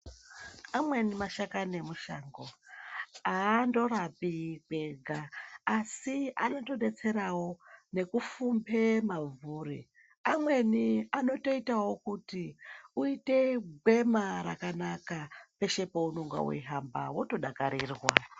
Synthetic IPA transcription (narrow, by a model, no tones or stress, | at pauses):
amwe̞nimaʃakane̞muʃaːŋɡo̞ | aːndo̞ɾapikwe̞ɡʱaːsia̰no̞to̞ɗe̞t͡se̞ɾawo̞ne̞kufumbe̞mavuːri | amwe̞niano̞to̞itawo̞kutiuite̞ɡʱwe̞maɾakanakape̞ʃe̞pounoŋɡa̰wḛɦamba̰wo̞to̞ɗakaɾiːrwa̰